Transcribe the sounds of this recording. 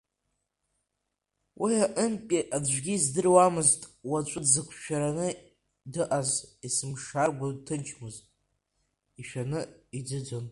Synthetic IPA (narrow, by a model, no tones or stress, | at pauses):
wʔiaʔəmpʲʼiʔad͡ʒʷᶣɡʲizdɨrwamɨztʼwat͡ʃʷʼʊdzɨkʷʰʃᶣaɾanɨ | dɨʔazisɨmʂarɡʷadtʰɨnt͡ʃʰmɨzʼ | iʃᶣanɨid͡zɨd͡zon